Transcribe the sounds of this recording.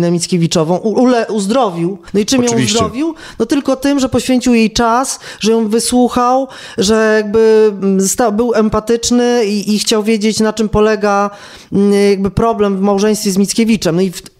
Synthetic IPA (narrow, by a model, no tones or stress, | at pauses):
nɛmʲit̪skʲevʲit͡ʂɔvɔ̃w̃ulɛuzd̪ɾɔvʲiwnɔit͡ʂɨmjɔ̃zd̪ɾɔvʲiw | nɔt̪ɘlkɔt̪ɘmʐɛpɔɕfʲeɲt͡ɕiwjejt͡ʂasʐɛjɔ̃w̃vɘswuxaw | ʐɛjaɡ̚bɘst̪awbɘwɛmpat̪ɘt͡ʂnɘiːxt͡ɕawvʲjed͡ʑet͡ɕnat͡ʂɘmpɔlɛɡa | jaɡ̚bɘpɾɔblɛmvmawʐɛ̃j̃st̪fʲjɛzmʲit̪skʲevʲit͡ʂɛmnɔif